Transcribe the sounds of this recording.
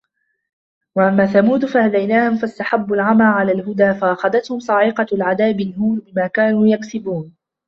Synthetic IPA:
waʔamːaːθamuːd̪fahad̪ajnaːhʊmfast̪aħabːalʕamaʕalaːlɦʊd̪aːfaʔaxɑðat̪hʊmsˤɑʕiqɑlʕad̪aːbɪlɦuːnbɪmaːkaːnuːjaksɪbuːn

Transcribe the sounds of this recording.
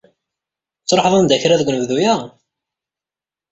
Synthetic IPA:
t͡sːɾˤħəðˤɑnd̪æçɾæðɡʷnəvðujæ

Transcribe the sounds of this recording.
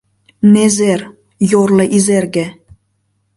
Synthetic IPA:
nezer | jorlɤ̆ʔizerɡe

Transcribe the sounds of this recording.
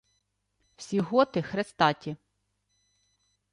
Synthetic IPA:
w̥sʲiɦɔt̪ɪxɾest̪ɑtʲi

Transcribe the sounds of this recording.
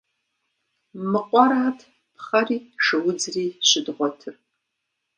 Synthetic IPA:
mɨqʷʼɔɾaːtʰ | pʰχɐriːʂɨwʊd͡zriːɕɪdʁʷɔtʰɨr

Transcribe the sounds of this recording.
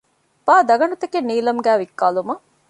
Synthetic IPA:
b̥aːd̪ɐɡɐɳut̪ɐkenːiːlɐmɡæːʋikːaːlumɐ

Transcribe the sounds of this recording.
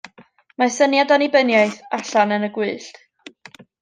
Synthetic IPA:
masənjadanibənjaɨθaɬanənəɡwɨːɬt

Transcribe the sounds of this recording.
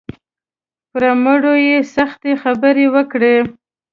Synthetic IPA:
pɾaməɽojesaxt̪exabəɾewəkɽe

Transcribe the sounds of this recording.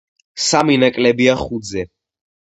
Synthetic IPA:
saminakʼlɛbiaχud̪zɛ

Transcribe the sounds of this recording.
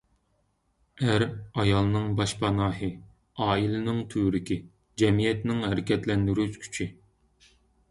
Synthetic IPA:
æɾɑjɑlˠnɨŋbɑʃpʰɑnɑːɦɨ | ɑːilɨnɪŋt̪ʰyːɾɪkʲi | d͡ʒɛmijɛt̪nɪŋhæɾɪkʲʰɛt̪lɛnd̪yɾyzkʲʰy̥t͡ʃʰi

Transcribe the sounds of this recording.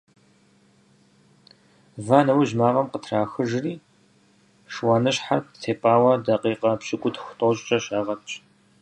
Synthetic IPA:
vaːnɐwiʒmaːʁɐmqətʰraːxɨʒriː | ʂwaːnɨɕħartʰeːpʼaːwɐdɐqiːqʼɐpɕʼɪkʷʼʊtʰxʷʊ̥tʼoɕʼt͡ʃʼɐɕaːʁɐt͡ʃʼ

